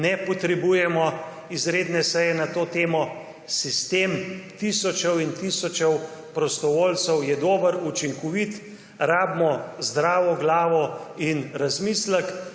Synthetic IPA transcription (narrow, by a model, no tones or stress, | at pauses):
nɛpɔt̪ɾɛbujɛmɔ | izɾeːd̪nɛsɛjɛnat̪oːt̪eːmɔ | sist̪eːmt̪isɔt͡ʃɛwint̪isɔt͡ʃɛwpɾɔst̪ɔʋoːlt̪səwjɛd̪oːbəɾut͡ʃiŋkɔʋit̪ | ɾaːbmɔzd̪ɾaːʋɔɡlaːʋɔinɾazmiːslək